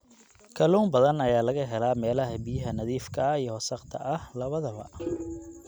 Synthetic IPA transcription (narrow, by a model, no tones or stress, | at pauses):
kʰɐluːmbɐðɐnɐjaːlɐɣɐɦɛlaːmɛːlɐɦɐbɪjɐɦɐnɐðiːfkʰɐijɞhɔsɐqt̪ʰɐ̰ʔɐhlɐβɐðɐβɐ̰